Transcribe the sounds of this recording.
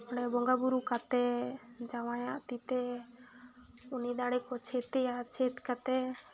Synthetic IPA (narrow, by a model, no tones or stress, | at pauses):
ɔɳɛbɔŋɡabuɾukat̪ɛd͡ʒawajaʔt̪it̪ɛ | ʊnid̪aɽɛkɔt͡ʃʰet̪ejat͡ʃʰet̪kat̪ɛ